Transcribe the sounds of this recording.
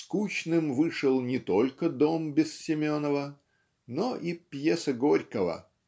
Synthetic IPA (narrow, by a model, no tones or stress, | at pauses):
skut͡ɕnɨmvɨʂɨlˠnʲɪt̪olʲkəd̪o̞mbʲɪssʲɪmʲonːəvə | noʔipjesəɡoɾʲkəvə̰